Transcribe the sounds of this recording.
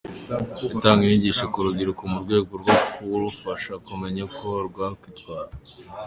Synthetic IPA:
itaːŋɡiniɟiːʃakuɾuɡiɾukumuɾɡwe̞ːɡoɾɡokuɾufaʃakume̞ɲakʰo̞ɾɡwakwitɡwaːɾa

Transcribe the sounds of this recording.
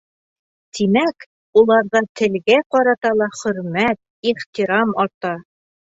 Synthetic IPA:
t̪imæk | ulˠɑɾðɑt̪ɘ̆lɡæqɑɾɑt̪ɑlˠɑχɵ̆ɾmæt̪̚iχt̪iɾɑmɑɾt̪ɑ

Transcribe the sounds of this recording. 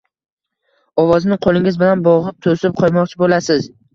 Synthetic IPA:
ɒvɒznɪqʰolˠɪŋʲɪzbɪlanbɒʁɨp̚t̪ʰosɪp̚qʰɒjmɒqt͡ʃʰɪbolasɪz

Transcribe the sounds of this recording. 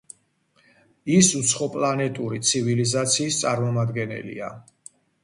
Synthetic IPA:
isut̪sʰχɔpʼlˠanɛt̪ʼuɾit̪sʰivilizat̪sʰiːst̪sʼaɾmɔmad̪ɡɛnɛ̰lḭa̰

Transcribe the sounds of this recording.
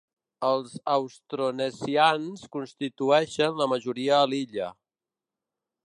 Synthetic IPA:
əlˠzəwst̪ɾonəsianskunst̪it̪uɛʃənləməʒuɾiəːliʎə

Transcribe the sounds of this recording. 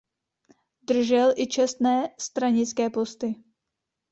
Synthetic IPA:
d̪r̩ʒɛlʔɪt͡ʃɛst̪nɛːst̪ɾaɲɪt͡skɛːpo̞st̪ɪ

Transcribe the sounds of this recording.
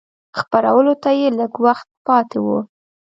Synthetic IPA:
xpaɾa̰wəlot̪ajeləɡwaxt̪̚pɑt̪ewu

